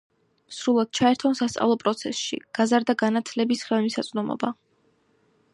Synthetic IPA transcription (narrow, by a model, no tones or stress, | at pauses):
sɾulˠad̪̥̚t͡ʃʰaɛɾt̪ʰɔnsast̪sʼa̰vlˠɔpʼɾɔt̪sʰɛsʃḭɡ̥azaɾd̪aɡanat̪ʰlɛbisχɛlmisat̪sʼnɔmɔ̰ba